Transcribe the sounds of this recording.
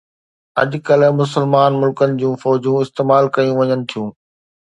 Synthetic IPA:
ɐ̰ʄkɐlmʊs̬əlmaːnmʊlkənɪ̆d͡ʑũːfɔːd͡ʑũːɪst̪eːmaːlkɐjũʋɐɲənɪ̆t̪ʰijũː

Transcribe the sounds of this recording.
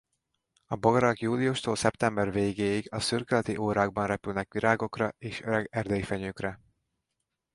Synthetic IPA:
ɒboɡɒɾɒkjuːliuʃt̪oːlsɛpt̪ɛmbɛrveːɡeːjiɡɒsyrkɛlɛt̪iʔoːɾaːɡ̚bɒnrɛpylnɛkʋiɾaːɡo̞krɒeːʃøɾɛɡɛrd̪ɛjifɛɲøːkrɛ

